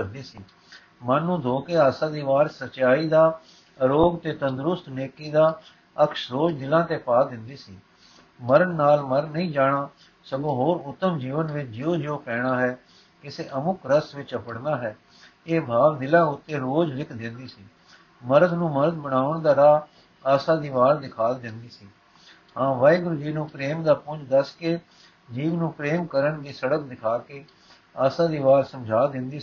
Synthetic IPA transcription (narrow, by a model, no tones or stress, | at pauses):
kəɾd̪iːsiː | mənːũːd̪ʱoːkeːaːsãːd̪iːʋaːɾsət͡ʃaːiːd̪aː | ɾoːɡt̪eːt̪ənd̪ɾʊst̪neːkiːd̪aː | əkʃɾoːd͡ʒd̪ɪlãːt̪eːpaːd̪ɪnd̪iːsiː | məɾənːaːlməɾnːəĩːd͡ʒaːɽaː | səɡõːɦoːɾʊt̪ːəmd͡ʒiːʋənʋɪt͡ʃd͡ʒɪoːd͡ʒɪoːpɛːɽaːɦɛː | kɪseːʔəmʊkɾəsʋɪt͡ʃəpəɽnaːɦɛː | eːbʱaːʋd̪ɪlãːʊt̪ːeːɾoːd͡ʒʋɪkʰd̪ɪnd̪iːsiː | məɾəd̪nũːməɾəd̪bəɽ̃aːəɳd̪aːɾaː | aːsãːd̪iːʋaːld̪ɪkʰaːd̪ɪ̃nd̪iːsiː | hãːʋaːiɡʊɾʊd͡ʒiːnũːpɾeːmd̪aːpʊd͡ʒd̪əskeː | d͡ʒiːʋnũːpɾeːmkəɾəɳd̪iːsəɽək̚d̪ɪkʰaːkeː | aːsãːd̪iːʋaːlsəmd͡ʒʱaːd̪ɪ̃nd̪iː